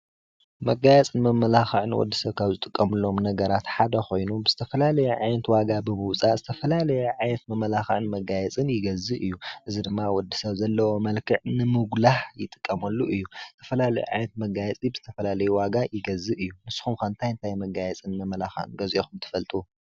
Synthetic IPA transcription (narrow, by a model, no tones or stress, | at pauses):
mɐɡajɛt͡sʼɨnmɐmːɐlaxɨʕɨnwɔ̰d̪ːisɐβkʰaβzɨt̪ʼɨkʼːɐmɨlːo̞mnɐɡɐɾat̪ħad̪ɐxo̞jnubɨz̥ɨt̪ʰɐfɐlalɐjɛʕajnɐt̪waɡabɨmɨwt͡sʼazɨt̪ʰɐfɐlalɐjɛʕajnɐt̪mɐmːɐlaxɐʕɨnmɐɡajɛt͡sʼɨnjɪɡɐzɨʔɨjːuʔɨzid̪ɨmːawɔd̪ːisɐβzɐlːɐwo̞mɐlkʰɨʕnɨmɨɡlaħjɪt̪ʼɨ̥kʼːɐmɐlːuʔɨjːuz̥ɨt̪ʰɐ̥fɐlalɐ̰jṵʕa̰jnɐt̪mɐɡajɛt͡sʼibɨzɨ̥t̪ʰɐfɐlalɐjuwaɡajɪɡɐzɨʔɨjːunɨsːxumkɐnt̪ʰajɨnt̪ʰajmɐɡajɛt͡sʼɨnmɐmːɐlaxɐ̰ʕɨ̰nɡɐzʔexumt̪ʰɨ̥fɐlt̪ʼu